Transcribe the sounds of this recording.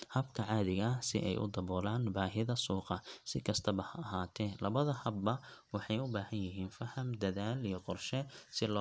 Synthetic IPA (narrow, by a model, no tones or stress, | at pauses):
hɐbkʰɐʕɑːðɪɣɐɐsɪ̰ʔɛ̰jʔʊ̰d̪ɐβɔːlaːnbaːɦɪðɐsuːqɑsɪkʰɐst̪ʰɐβɐhɐɐɦaːt̪ʰɛːlɐβɐðɐhɐbːɐwɑħɑjʊbaːhɐnjɪɦiːnfɐhɐmd̪ɐðaːlijɞqɔrʃɛsɪlɔː